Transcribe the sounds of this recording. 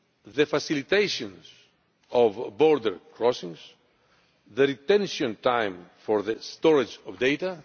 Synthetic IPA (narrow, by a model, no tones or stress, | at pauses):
ðefɐsilit̪ejʃõnz̥ | ovboɾd̪eɾkɾɔsĩŋz̥ | ðeɾit̪ẽnʃiõnt̪ajmfoɾðest̪oɾɐd͡ʒovd̪ejt̪ɐ